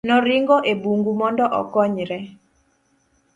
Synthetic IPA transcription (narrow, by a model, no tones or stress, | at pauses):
nɔɾiŋɡɔʔebuŋɡumɔndɔʔɔ̰kɔɲɾɛ